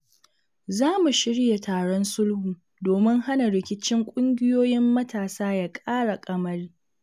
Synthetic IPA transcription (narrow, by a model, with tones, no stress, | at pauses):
zaː˦mu˨ʃɪ˦ɽja˨taː˨ɽɔ˦nsʊ˦lhuː˨ | doː˨mɪ˦ŋha˦na˨ɽɪ˨kʲɪ˦t͡ʃɪ˦ŋkʷʼʊ˦ŋɡʲɪ˦joː˦jɪ˦mːɐ˦tʰaː˨saː˦ja˦kʼaː˦ɽa˨kʼɐ˦mɐ˦riː˦